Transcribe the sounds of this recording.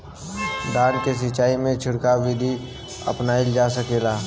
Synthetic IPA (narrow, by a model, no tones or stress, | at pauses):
d̪aːnkes̬ɪt͡ʃaːimẽt͡ʃʰʊɽkaʋid̪ʱi | ə̰pnaːild͡ʒaːs̬əkeːlaː